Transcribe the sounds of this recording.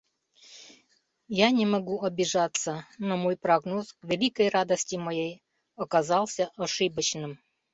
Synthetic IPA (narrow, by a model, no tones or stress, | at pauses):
janʲɪmɐɡuɐbʲɪʐat̪sːənɐmojpɾɐɡnoskvʲɪlʲikəjrad̪əsʲtʲɪmɐjej | ɐkɐzɑlˠsʲəʔɐʂɨbət͡ɕnɨm